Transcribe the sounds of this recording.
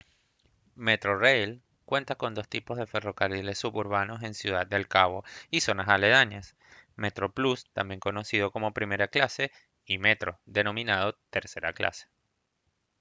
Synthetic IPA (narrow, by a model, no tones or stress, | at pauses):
me̞t̪ɾo̞rejl | kwe̞nt̪ako̞nd̪o̞st̪ipo̞zð̞e̞fe̞ro̞karile̞sːuβuɾβano̞se̞nsjuð̞ad̪̚d̪e̞lkaβo̞iso̞nasale̞ð̞aɲas | met̪ɾo̞plust̪a̰mbje̞ŋko̞no̞siðo̞ko̞mo̞pɾime̞ɾaklase̞ | ime̞t̪ɾo̞ðe̞nõ̞mĩnað̞o̞t̪e̞ɾse̞ɾa̰klʔa̰se̥